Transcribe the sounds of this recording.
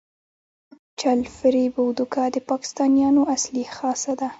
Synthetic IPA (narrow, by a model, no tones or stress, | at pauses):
t͡ʃalfɪɾibawd̪ʊkɑd̪əpɑkɪ̥st̪ɑnjɑnoʔaslixɑsad̪a